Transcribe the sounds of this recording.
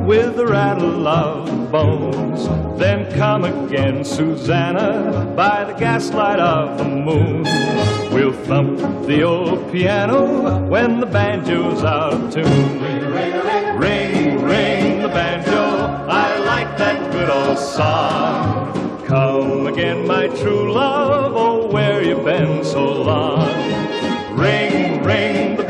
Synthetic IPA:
wɪððəɹæɾl̩ʌvðəbõʊ̃nzðɨ̃nkʰʌ̃mɨɡɛ̃nsʉzænəbaɪðɨɡæslaɪɾʌvðəmũnwilˠθʌ̃mp̚ðioʊlˠd̚pʰiæñoʊwɨ̃nðəbæ̃nd͡ʒoʊzaʊɾʌv̥tʰɨn | ɹẽɪ̃nɹẽɪ̃nðəbæ̃nd͡ʒo | aɪlaɪk̚ðɨt̚wɪɾəsɑ | kʰʌ̃mɨɡɛ̃nmaɪtʰɹ̥ulʌvowə˞jɨbɪ̃nsoʊlɔŋ | ɹẽɪ̃nɹẽɪ̃nðə

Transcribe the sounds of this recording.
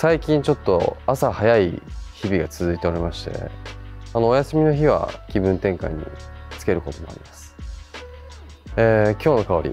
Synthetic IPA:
saikʲĩɲ̟t͡ɕo̞t̪ːo̞̰asahajaiçibʲiɡat͡sɨzɨit̪e̞o̞ɾe̞maɕi̥t̪e̞̰ | ano̞ːjasɨmʲino̞çiβ̞a̰kʲibɯ̟̃nt̪ẽ̞ŋka̰iɲ̟ːḭt͡sɨ̥ke̞ɾɯ̟ko̞t̪o̞moa̰ɾʲimasɨ̥ | eːkʲo̞ːno̞kao̞ɾʲḭ

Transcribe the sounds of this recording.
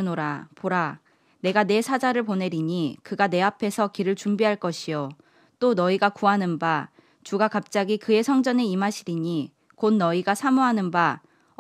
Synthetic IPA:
noɾapoɾa | ne̞ɡane̞sʰad͡ʑaɾɯɭpone̞ɾiɲikɯɡane̞apʰe̞sʰʌkiɾɯɭt͡ɕumbiɦaɭk͈ʌɕʰijo | t͈onʌiɡakuɦanɯnba | t͡ɕuɡakap̚t͡ɕ͈aɡikɯe̞sʰʌŋd͡ʑʌne̞imaɕʰiɾiɲi | konːʌiɡasʰamuɦanɯnba

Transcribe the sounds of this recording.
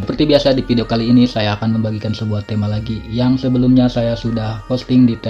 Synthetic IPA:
əpərt̪ibiasadifideokaliːnisajaːkanməmbaɡikansəbuaht̪emalaɡijaŋsəbəlumɲasajasudahpɔst̪ɪŋdit̪

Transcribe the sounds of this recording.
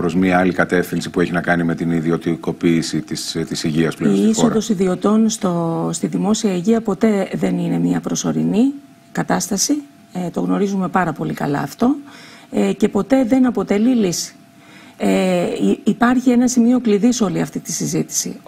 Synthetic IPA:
pɾo̞zmɲɐɐlikɐt̪e̞fθinsipueçinɐkɐnime̞t̪iniðio̞t̪iko̞piːsit̪ist̪isiʝiɐsplisod̪osiðio̞t̪o̞nst̪ost̪iðimo̞siɐiʝiɐpo̞t̪e̞ðe̞nine̞miɐpɾo̞so̞ɾini | kɐt̪ɐst̪ɐsi | t̪o̞ɣno̞ɾizume̞pɐɾɐpo̞likɐ̰lɐ̰ːft̪o̞ | ce̞po̞t̪e̞ðe̞nɐpo̞t̪e̞lilisi̥ | pɐɾçienɐsimio̞kliðiso̞liɐft̪it̪i̥sizit̪i̥sḭ

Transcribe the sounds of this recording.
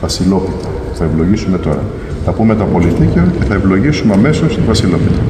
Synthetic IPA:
vɐsilo̞pit̪ɐ | uθɐevlo̞ʝisume̞t̪o̞ɾɐ̰ | θɐpume̞t̪opo̞lit̪iceoce̞θɐevlo̞ʝisume̞ɐme̞so̞st̪ivɐsilo̞pit̪ɐ

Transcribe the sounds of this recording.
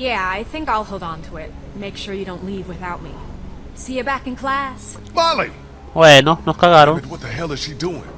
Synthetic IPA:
jæaɪθɪ̃ŋkaɪlˠhoʊd̃ntʰəɪt̚ | meɪkʃʊɹjɨɾõʊ̃nʔˡlivwɨθaʊt̚mḭ | siɨbækɨ̃nkʰl̥æs | mɑlˠi | wɛnõnoskaɣaɾõw̃nwʌt̪̚ðɨɦɛlˠɨz̥ʃiduɪ̰̃ŋ

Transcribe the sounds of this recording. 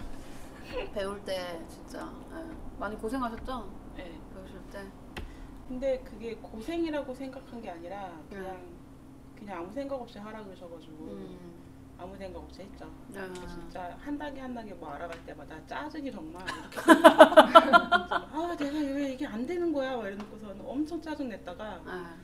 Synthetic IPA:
pe̞uɭt͈e̞t͡ɕint͡ɕ͈a̰ | emaɲikosʰe̞ŋɦaɕʰʌt̚t͡ɕ͈oje̞ | oɕʰɭt͈e | kɯnde̞kɯɡe̞kosʰe̞ŋiɾaɡosʰe̞ŋɡakʰanɡe̞aɲiɾakɯɲaŋ | kɯɲaŋamusʰe̞ŋɡaɡʌpɕ͈iɦaɾaɡɯɕʰʌɡad͡ʑuɡo | amusʰe̞ŋɡaɡʌp̚ɕ͈ihe̞t̚t͡ɕ͈o | et͡ɕint͡ɕ͈ahandaɡehandaɡebʌaɾaɡaɭt͈e̞madat͡ɕ͈ad͡ʑɯɲitʌŋmaikʰe | d͡ʑiat͡ɕe̞ɡaiɡeiɡe̞andwe̞nɯnɡʌjaaɾʌnɯk͈os̬ʰʌnɯʌmt͡ɕʰʌŋt͡ɕ͈ad͡ʑɯŋne̞t̚t͈aɡa

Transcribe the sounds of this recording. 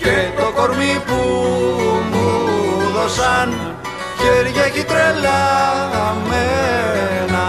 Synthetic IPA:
cet̪okoɾmipu | muðosan | ceɾʝekit̪ɾela | me | na

